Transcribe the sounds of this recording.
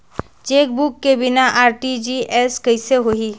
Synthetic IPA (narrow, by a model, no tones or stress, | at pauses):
t͡ʃeːk̚bukːebɪnaʔaːɾʈid͡ʒiʔɛskɐɪseɦoiː